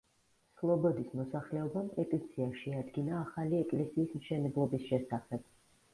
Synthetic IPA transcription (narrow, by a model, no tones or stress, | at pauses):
slˠɔbɔd̪ismɔsaχlɛɔbampʼɛt̪ʼit̪sʰiaʃɛad̪ɡinaːχaliɛkʼlɛsiːsmʃɛnɛblˠɔbisʃɛsaχɛb̥